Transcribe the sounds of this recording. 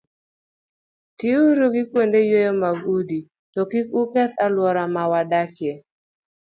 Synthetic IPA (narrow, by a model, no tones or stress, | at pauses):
tɪuɾuɡɪkwendejojomaɡudi | tɔkikukɛt̪alwɔɾamawadakɪɛ